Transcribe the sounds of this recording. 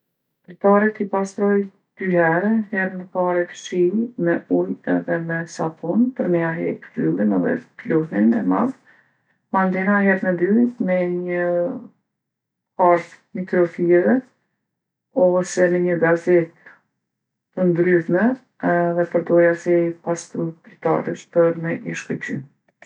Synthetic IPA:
pɾit̪aɾət̪ipast̪ɾɔj | d̪̥yhɛɾɛhɛɾməpaɾɛt̪ʃimɛujɛ̰ðɛmɛsapɔnpəɾmɛaɦɛ̰pfylˠimɛðɛ̰plɔhnimɛmað | mand̪ɛnaɦɛɾnəd̪ymɛɲə | haɾt̪ | mit̪ɾɔfiɛvɛ | ɔsɛnəɲəɡazɛt̪̚ | ənd̪ɾytmɛ | ɛðɛpəɾd̪ɔɾjasipast̪əpɾit̪a̰ɾəʃpəɾmɛɲəʃkət͡ɕym

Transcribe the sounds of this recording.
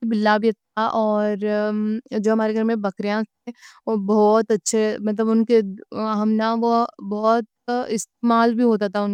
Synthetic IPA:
ibɪlːaːbʱiɐt̪aʔɔːɾ | d͡ʒoːɦɐmaːɾeɡʱɐɾmẽbɐkɾijãseobɔːt̪ɐtːʃʰemɐt̪̬ləbʊnkeɦəmnaʋobɔːt̪ | ɪst̪̚eːmaːlbʱiɦoːt̪at̪ʰaʊn

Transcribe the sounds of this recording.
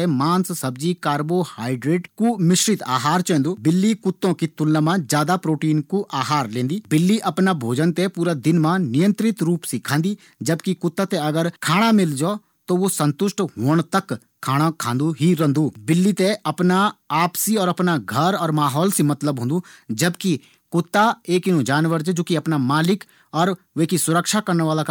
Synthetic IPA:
emãːnssɐbd͡ʒikaːɾbohaːɪɖɾeːʈkumɪʃɾɪt̪a̰ːɦaːɾt͡ʃɛ̃ːnd̪uːbɪlːikʊt̪ːõkit̪ʊlnãmãd͡ʒjaːd̪apɾoːʈiːnkuʔaːɦaːɾlẽːnd̪iːbɪlːiʔɐpnabʱoːd͡ʒənt̪ẽpuːɾad̪ɪnmãnɪjə̃nt̪ɾɪt̪ɾuːpsikʰãːnd̪iː | d͡ʒɐbkikʊt̪ːat̪eɐɡəɾkʰaːɽ̃amɪld͡ʒɔː | t̪oʋosə̃nt̪ʊʃʈɦoːɳ̃t̪ɐkʰ | aːɽ̃akʰãːnd̪uɦiɾə̃nd̪uːbɪlːit̪eɐpnaaːpsiɔːɾɐpnaɡʱɐɾɔːɾmaːɦɔːlsimɐt̪ləbɦõːnd̪ud͡ʒɐbki | kʊt̪ːaeːkɪnõd͡ʒaːnʋəɾd͡ʒed͡ʒoːkiɐpnamaːlɪk | ɔːɾ | ʋeːkisʊɾəkʃakɐɾneʋaːlak

